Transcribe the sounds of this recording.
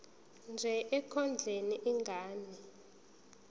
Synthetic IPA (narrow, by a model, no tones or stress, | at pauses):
nd͡ʒʱɛʔɛkʰɔnd͡ɮʱeniʔiŋɡʱaːnɛ